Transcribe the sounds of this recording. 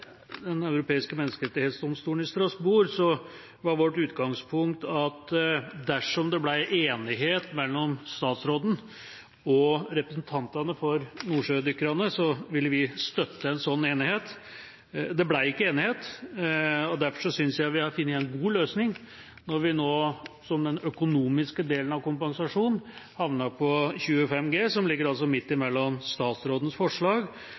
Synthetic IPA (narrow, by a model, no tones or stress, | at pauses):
d̪ɛnɑʉɾʊpʰeːɪskəmɛnːəskəɾɛt̪ːɪheːt̪sd̪ɔmst̪uːənɪst̪ɾɑsbuːɾsɔ | ʋɑɾʋɔʈːʉːt̪ɡɑŋspʰʊŋkt̪ɑt̪d̪æʂɔmd̪ɛblæɪʔeːnɪɦeːt̪mɛlːɔmst̪ɑːt̪sɾoːd̪n̩ | ɔɾɛpɾəsn̩t̪ʰɑnt̪ɑnəfɔɾnuːʂøːd̪ʏkːəɾɑnəsɔʋɪlːəʋɪst̪œt̪ːəɛnsɔnːeːnɪheːt̪ | d̪ɛblæɪɪkːəeːnɪheːt̪ | ɔd̪æɾfɔʂɔsʏnsjæɪʋɪhɑɾfɪnːəɛnɡuːløːsnɪŋ | nɔɾʋɪnoːsɔmd̪ɛnœkʊnuːmɪskəd̪eːlənɑʋkʊmpɑnsɑʂuːnhɑʋnɑpʰɔçʉːəfɛmːɡeːsɔmlɪɡːəɾɑls̬ɔmɪt̪ːɪmɛlːɔmst̪ɑːt̪sɾoːd̪ən̩sfɔʂɭɑːɡ